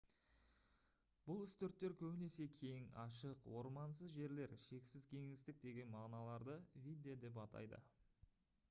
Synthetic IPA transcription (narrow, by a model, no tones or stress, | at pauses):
b̥ʊlˠʏst̪eɾt̪ːe̞ɾkʲʰɵbɪne̞se̞kʲʰe̞jŋɑʃəqwo̞ɾmɑnsəzʒe̞ɾle̞ɾʃe̞ksɪzkʲʰe̞ŋɪzt̪ɪk̚d̪e̞ɡʲe̞nmɑʁnɑlˠɑɾd̪əvʲijd̪eod̪e̞p̬ɑt̪ʰɑ̰jd̪ə̰